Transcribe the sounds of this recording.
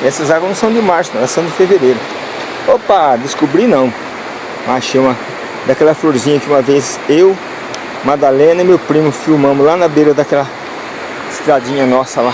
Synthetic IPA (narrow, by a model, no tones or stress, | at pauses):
esɪzaɡwnʊ̃sɐ̃w̃d̪ɪmaɾsʊɛlɐsɐ̃w̃d͡ʒ̪ɪfeveɾejɾʊ | opad̪ɪskobɾinɐ̃w̃ | maʃeũmɐ | d̪akɛlɐfloɾzĩɲɐkɪũmɐvez | ew | mad̪alẽnɐɪmewpɾĩmʊfiwmɐ̃mʊzlanɐbejɾɐd̪ɐkɛlɐ | ɪst̪ɾad͡ʒĩɲɐnɔsɐla